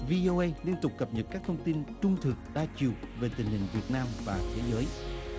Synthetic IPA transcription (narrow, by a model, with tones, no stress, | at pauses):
vi˧ʔo˧ʔə˧jli˧ənt̪ʊ˨˩k͡p̚kə˨˩p̚ɲə˨˩t̚kaː˦˥t̪ʰə˧wŋ͡mt̪i˧nt͡ɕʊ˧ŋ͡mt̪ʰɨ˨˩k̚ɗaː˧t͡ɕi˨˩əwve˨˩t̪ï˨˩ŋ̟hï˨˩ŋ̟vi˨˩ət̚naː˧mvaː˨˩t̪ʰe˨˦zəː˨˦j